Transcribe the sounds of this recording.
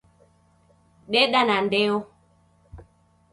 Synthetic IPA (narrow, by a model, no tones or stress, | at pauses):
ɗɛɗanandɛo